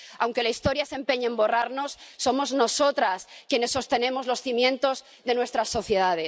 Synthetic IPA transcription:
awŋke̞laist̪o̞ɾjase̞mpe̞ɲeːmbo̞raɾno̞sːo̞mo̞zno̞so̞t̪ɾaskje̞ne̞sːo̞st̪e̞nẽ̞mo̞zlo̞sθimjẽ̞nt̪o̞z | ðe̞nwe̞st̪ɾasːo̞θje̞ðaðe

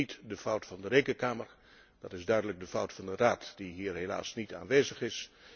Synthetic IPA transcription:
itdəfʌwtfɑndəɾejkənkaːməɹ | dɑtɪzdœɥdələɡ̚dəfʌwtfɑndəraːtd̥iɦiːrɦela̰ːsnita̰ːnʋeːzəχɪs

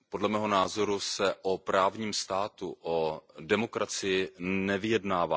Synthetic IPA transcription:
po̞dlɛmɛːɦo̞naːzo̞ɾusɛʔopɾaːvɲiːmst̪aːt̪uʔodɛmo̞kɾat͡sɪjɪnɛvɪjɛdnaːvaː

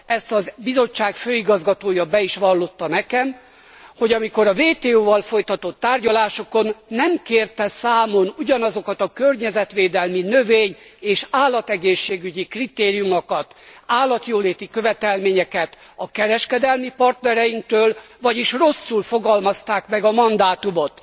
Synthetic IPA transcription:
ɛst̪ɒzbizo̞t͡ʃːaːkføːiɡɒzɡɒt̪oːjɒbɛiʃʋɒlːot̪ːɒnɛkɛm | ho̞ɟɒmiko̞ɾɒveːt̪eːoːvɒlfo̞jt̪ɒt̪o̞t̪ːaːrɟɒlaːʃo̞ko̞nːɛmkeːrt̪ɛsaːmo̞nuɟɒnɒzo̞kɒt̪ɒkørɲɛzɛt̪ʋeːd̪ɛlminøveːɲeːʃaːlːɒt̪ɛɡeːʃːeːɡyɟikrit̪eːɾijumokɒt̪aːlːɒt̪joːleːt̪ikøvɛt̪ɛlmeːɲɛkɛt̪ɒkɛɾɛʃkɛd̪ɛlmipɒrt̪nɛɾɛjiŋk̚t̪øːlvɒɟiʃro̞sːulfo̞ɡɒlmɒst̪aːkmɛɡɒmɒnd̪aːt̪umo̞t̪

